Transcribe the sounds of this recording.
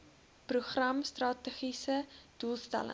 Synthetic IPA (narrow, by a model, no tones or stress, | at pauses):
pruχrɐmstrɑːtəχisəd̥ulˠstæ̰lə̰